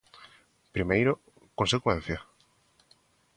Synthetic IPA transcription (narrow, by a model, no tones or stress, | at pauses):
pɾimejɾo | kõnsekwɛ̃n̟θjɐ